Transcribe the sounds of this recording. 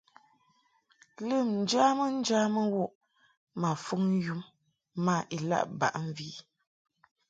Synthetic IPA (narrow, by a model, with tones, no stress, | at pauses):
lə˦˨mn̩˨d͡ʒa˦mə˦n̩˦d͡ʒaː˦mə˦wo˦˨ʔ | ma˨fu˦ŋn˦ju˦mː | a˦˨ʔi˨la̰˦˨ʔba̰˨ʔɱ˦˨vi˦